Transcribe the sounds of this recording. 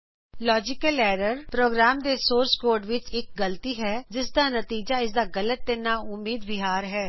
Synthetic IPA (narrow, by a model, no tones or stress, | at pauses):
lɔːd͡ʒɪkəlɛːɾəɾpɾoːɡɾaːmd̪eːsoːɾskoːɾɖʋɪt͡ʃɪk̚ɡəlt̪iːɦɛːd͡ʒɪsd̪aːnət̪iːd͡ʒaːɪs̬d̪aːɡələt̪̚d̪enaːʊmiːd̪bɪɦaːɾɦɛː